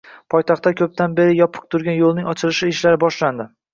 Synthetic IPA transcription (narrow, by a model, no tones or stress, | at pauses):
pʰɒjt̪ʰɑχt̪ːakʲʰɵp̚t̪ʰanbe̞ɾɪjɒpʰɨ̥q̚t̪ʰʊɾɡʲanjolˠnɪŋɒt͡ʃʰɪlɪʃɪɪʃlaɾɪbɒʃland̪ɪ